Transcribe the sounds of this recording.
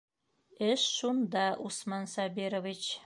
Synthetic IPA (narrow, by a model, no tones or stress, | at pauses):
ɘʃʃund̪ɑʔusmɑnsɑbiɾovit͡ɕ